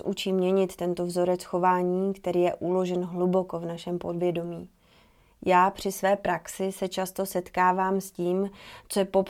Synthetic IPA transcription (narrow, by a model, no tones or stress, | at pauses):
ʔut͡ʃiːmɲɛɲɪt̪ːɛnt̪o̞vzo̞ɾɛt͡sxo̞vaːɲiːkt̪ɛɾiːjɛʔulo̞ʒɛnɦlubo̞ko̞vnaʃɛmpo̞dvjɛdo̞miː | jaːpr̝̥ɪsvɛːpɾaksɪsɛt͡ʃast̪o̞sɛt̪kaːvaːmsciːmt͡sojɛpo̞p